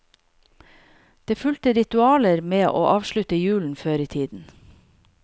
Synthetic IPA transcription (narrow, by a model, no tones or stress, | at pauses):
d̪̥eːfʉlt̪əɾɪt̪ʉɑːləɾmeːʔo̰ːʔɑːʋʃɭʉt̪əjʉːln̩føːɾiːt̪ʰiːd̪n̩